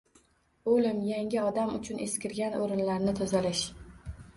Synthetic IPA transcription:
olɪmjaŋʲɪɒd̪amʊ̰t͡ʃʰʊnʔeskʲɪɾɡʲanoɾɪnlaɾnɪt̪ʰʊzalɪʃ

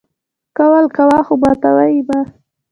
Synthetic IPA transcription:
kawalkawɑxubɑt̪awajiba

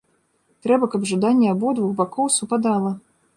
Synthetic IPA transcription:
t̪ɾɛbɐkɐbʐad̪anʲːɛabɔd̪vuɣbakɔwsupad̪alˠɐ

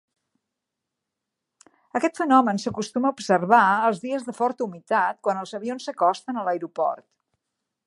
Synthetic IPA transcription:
əkɛt̪fənɔmənsəkust̪uməubsərβaəlˠzðiəzðəfɔɾt̪əumit̪at̪̚kwanəlˠzəβionsəkɔst̪ənələjɾupɔ̰rt̪

